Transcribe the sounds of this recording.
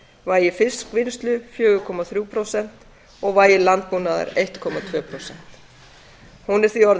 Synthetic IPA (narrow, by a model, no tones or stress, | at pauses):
vaːjɪfɪskvɪnst̪lʏfjœːɣʏkʰɔːmaθɾjuːpʰɾɔsɛn̥t̪ | ɔɣvaːjɪlant̪̚punaða̰ɾejht̪kʰɔmat̪ʰvœːpʰɾɔsɛn̥t̪ | hunɛɾ̥θiɔɾð